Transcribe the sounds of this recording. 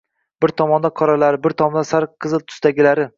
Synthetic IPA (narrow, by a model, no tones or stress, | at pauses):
b̥ɪɾt̪ʰɒmɒnd̪aqʰɒɾalaɾɪbɪɾt̪ʰɒmɒnd̪asaɾqʰɨzɨlˠt̪ʰʊ̥st̪aɡʲɪlaɾɪ